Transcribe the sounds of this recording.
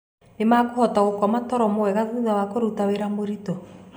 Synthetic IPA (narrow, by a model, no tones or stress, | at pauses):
nemakohɔtaɣokɔmatɔɾɔmowɛɣaðuðawakoɾutaweɾamoɾitɔ